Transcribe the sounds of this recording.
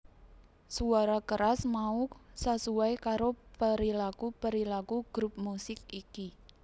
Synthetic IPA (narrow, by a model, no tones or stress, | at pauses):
suaɾakəɾasmausasuwajkaɾopəɾilakupəɾilakuɡ̥ɾup̚musɪkiki